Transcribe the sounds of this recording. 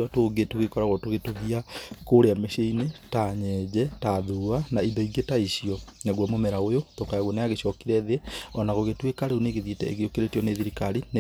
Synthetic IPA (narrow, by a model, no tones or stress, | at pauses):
atoɣetoɣekɔɾaɣɔtoɣetoɣiakoɾeameʃeinetaɲɛːd͡ʑɛtaðuanaidɔiɡetaiɕijɔnaɣwɔmomɛɾaojotokaaɣwɔneaɣeɕɔkiɾɛðeɔnaɣoɣetwekaɾeoneɣeðjetɛ̰ḛɣeokeɾetiɔneðiɾikaɾine